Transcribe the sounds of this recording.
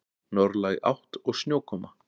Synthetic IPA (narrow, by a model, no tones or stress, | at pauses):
nɔɾlaja̰wht̪ɔɣsnjoːwkʰɔma